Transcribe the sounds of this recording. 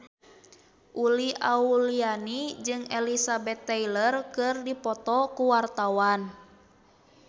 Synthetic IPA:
ʔuliʔaulianid͡ʒɨŋɛlisabɛt̪ːɛilərkɨrdipɔt̪ɔkuwart̪awan

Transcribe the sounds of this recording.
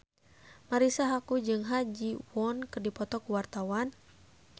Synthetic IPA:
maɾisaɦakud͡ʒɨŋɦad͡ʒiwɔnkɨrdipɔt̪ɔkuwart̪awan

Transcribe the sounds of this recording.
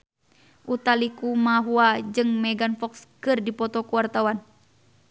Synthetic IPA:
ʔut̪alikumaɦuad͡ʒɨŋmɛɡanfɔkskɨrdipɔt̪ɔkuwart̪awan

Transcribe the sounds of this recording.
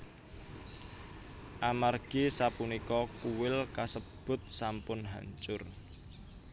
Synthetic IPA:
ʔamarɡ̥isapunikɔkuwɪlkasəb̥ʊ̤t̪̚sampʊnɦa̰ɲt͡ʃʊr

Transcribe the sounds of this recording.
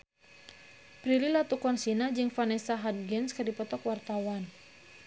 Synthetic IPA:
pɾililat̪ukɔnsinad͡ʒɨŋfanɛsaɦad̚ɡɛnskɨrdipɔt̪ɔkwart̪awan

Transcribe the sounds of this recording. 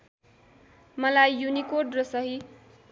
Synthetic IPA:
mʌlajːunikoɖrʌsʌɦi

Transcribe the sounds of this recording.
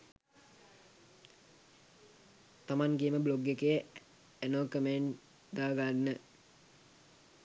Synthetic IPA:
t̪amaŋɡeəməbloɡːekəjə | ænokəmeɳ | d̪aːɡanːə

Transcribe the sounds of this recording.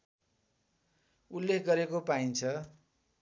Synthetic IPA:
ulːekʰɡʌɾekopaint͡sʰʌ

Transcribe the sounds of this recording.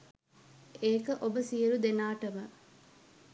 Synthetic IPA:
eːkɐʔobəsiɐɾud̪enaːʈɐmɐ

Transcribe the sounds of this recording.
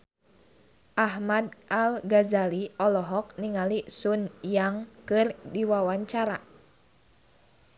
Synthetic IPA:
ʔaɦmad̚ʔalɡazaliʔɔlɔɦɔk̚niŋalisunjaŋkɨrdiwawaɲt͡ʃaɾa

